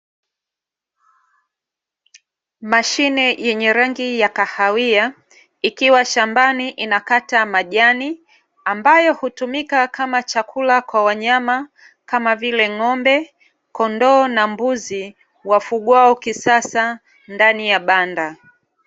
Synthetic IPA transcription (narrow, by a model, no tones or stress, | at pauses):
maʃinɛjɛɲɛɾaŋɡijakahawia | ikiwaʃambaniʔinakatamaʄani | ambajɔhutumikakamat͡ʃakʰulakwawaɲama | kamavilɛŋɔmbɛ | kɔndɔːnambuzi | wafuɠwaɔkisasa | ndanijaɓanda